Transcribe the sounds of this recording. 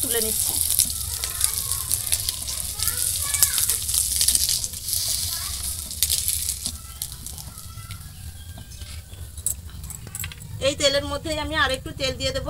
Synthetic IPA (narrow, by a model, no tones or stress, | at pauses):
t̪ulenit̪ːʰi̥ | ejt̪eleɾmod̪ʱːejamiaɾek̚ʈut̪eld̪ijed̪ebo